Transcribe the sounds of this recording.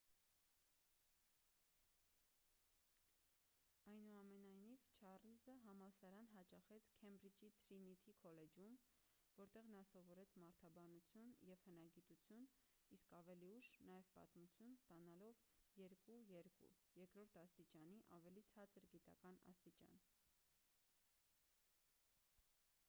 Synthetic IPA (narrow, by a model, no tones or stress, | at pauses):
ɑjnuɑmɛnɑjnivt͡ʃʰɑrlizəɦɑmɑsɑɾɑnɦɑt͡ʃɑχɛt͡sʰkʰɛmbɾid͡ʒit̪ʰɾinit̪ʰikʰɔlɛd͡ʒum | vɔɾt̪ɛʁnɑsɔvɔɾɛt͡sʰmɑɾt̪ʰɑbɑnut͡sʰjunjɛvhənɑɡit̪ut͡sʰjun | iskɑvɛliuʃnɑjɛvpɑ̰t̪mut͡sʰjunst̪ɑnɑlɔv | jɛɾkujɛɾkṵ | jɛɾkɾɔɾt̪ʰɑst̪it͡ʃɑniʔɑvɛlit͡sʰɑt͡səɾɡit̪ɑkɑnɑ̰st̪it͡ʃɑ̰n